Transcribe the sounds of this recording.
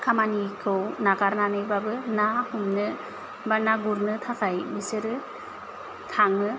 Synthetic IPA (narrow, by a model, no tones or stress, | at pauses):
kʰamanikʰɯwnakaɾnanɯjbabɯnahumnɯ | banaɡuɾnɯtʰakʰajbisɯɾɯ | tʰaŋɯ